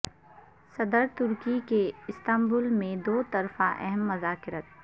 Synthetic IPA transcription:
sɐd̪əɾt̪ʊɾkikeɪst̪ɐ̃mbʊlmẽd̪oːt̪ɐɾfaʔɛ̰ɦɛmːɐzaːkɪɾət̪̚

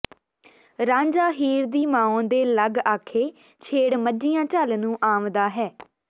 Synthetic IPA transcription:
ɾãːɲd͡ʒaːɦiːɾd̪iːmãːõːd̪eːləɡaːkʰeː | t͡ʃʰeːɽməd͡ʒiːjãːt͡ʃəlnũːʔaːmd̪aːɦɛː

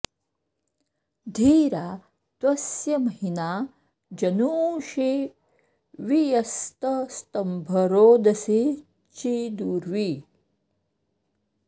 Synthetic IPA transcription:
d̪ʱiːɾa | t̪ʋɐsjɐmɐɦinaː | d͡ʒɐnuːʃi | ʋijɐst̪ɐst̪ɐmbʱɐɾoːd̪ɐsi | t͡ʃid̪uːɾʋi

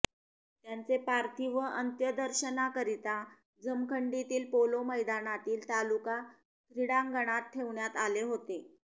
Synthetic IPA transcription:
t̪jant͡sepaɾt̪ʰiʋəʔənt̪jəd̪əɾɕənakəɾit̪a | d͡zəmkʰəɳɖit̪iːlpoloməjd̪anat̪iːlt̪aluka | k̪ɾiɽãŋɡʱəɽ̃at̪̚ʈʰːeʋɳjat̪aleɦot̪e

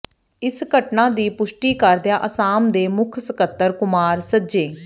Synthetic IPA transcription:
ɪskəʈnãːd̪iːpʊʃʈiːkəɾd̪ɪjaːʔəsaːmd̪eːmʊkʰsəkət̪ːəɾkʊmaːɾsəd͡ʒeː

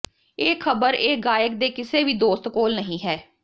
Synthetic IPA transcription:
eːkʰəbəɾeːɡaːjək̚d̪eːkɪseːʋiːd̪oːst̪koːlnəɦĩːɦɛː

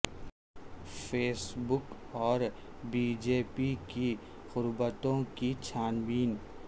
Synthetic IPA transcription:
feːsbʊk | ɔːɾ | biːd͡ʒeːpiki | ɣʊɾbət̪õkit͡ʃʰaːnbiːn

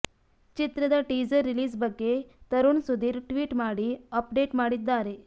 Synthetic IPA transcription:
t͡ɕit̪ɾəd̪aʈid͡zəɾːiliːzbəɡːet̪əɾuːnsud̪ʱiːɾʈʋiːʈmaɽiːəpɖeʈmaɽit̪̚d̪aɾe

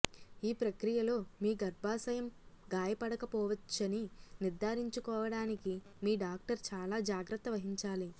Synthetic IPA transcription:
iːpɾɐkɾijɐloːmiːɡɐɾbʱaːsɐjɐm | ɡaːjɐpɐɽɐkɐpɔːʋɐt͡ʃːɐniniɾd̪ʱaːɾiɲt͡ʃukɔːʋɐɽaːniki | miːɖaːk̚ʈɐɾt͡ʃaːlaːd͡ʒaːɡɾɐt̪ːɐʋɐɦiɲt͡ʃaːli

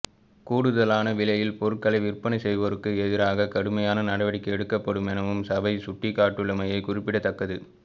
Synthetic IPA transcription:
kuːɽɯðɐlaːnɐʋɪɭɐjɪlpɔɾɯkːɐlɐɪʋɪrpɐnɐɪsɛjʋɐɾɯkːɯɛðɪɾaːɣɐkɐɽɯmɐjaːnɐnɐɽɐʋɐɽɪkːɐɛɽɯkːɐpːɐɽɯmɛnɐʋɯmsɐbɐɪsʊʈːikːaːʈːɯɭːɐmɐjɐɪkʊrɪpːɪɽɐt̪ːɐkːɐðɯ

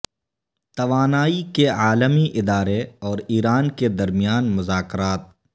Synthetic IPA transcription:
t̪ɐʋaːnaːikeaːləmiʔɪd̪aːɾeɔːɾiːɾaːnked̪ɐɾmijaːnmʊzaːkɾaːt̪̚

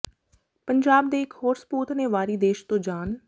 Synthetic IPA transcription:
pəɲd͡ʒaːb̚d̪eɪkʰɦoːɾsə̥puːt̪ʰnẽʋaːɾiːd̪eːʃt̪õd͡ʒaːn

